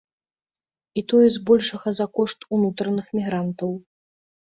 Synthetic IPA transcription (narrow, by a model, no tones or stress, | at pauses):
it̪ɔjɛzbɔlʲʂɐɣɐzakɔʂt̪unut̪ɾɐnɨxmʲiɣɾant̪ɐw